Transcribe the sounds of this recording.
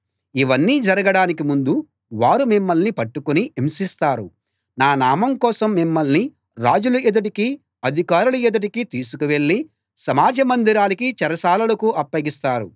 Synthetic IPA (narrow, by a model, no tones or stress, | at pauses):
iʋɐnːiːd͡ʒɐɾɐɡɐɽaːnikimund̪u | ʋaːɾumimːɐlnipɐʈːukuniʔimsist̪aːɾṵ | naːnaːmɐmkɔːsɐmːimːɐlni | ɾaːd͡ʒuluɛd̪ɐʈiki | ɐd̪ʱikaːɾuluɛd̪ɐʈikit̪iːsukuʋe̞ɭːi | sɐmaːd͡ʒɐmɐnd̪iɾaːlikit͡ʃɛɾɐsaːlɐlɐkuʔɐpːɐɡist̪aːɾṵ